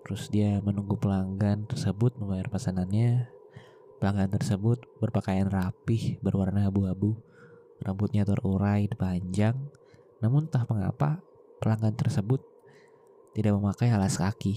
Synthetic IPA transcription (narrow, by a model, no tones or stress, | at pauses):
t̪əɾʊsdiamənuŋɡupəlaŋɡant̪ərsəbʊt̪̚məmbajarpasananɲa | pəlaŋɡant̪ərsəbʊt̪̚bərpakajanrapɪhbərwarnaːbuabu | rʔəmpʊt̪̚ɲat̪ərʔuɾajdipaɲd͡ʒaŋ | namʊnt̪ahpəŋa̰pa | pəlaŋɡant̪ərsəbʊt̪ː | idak̚məmakajɦalaskaki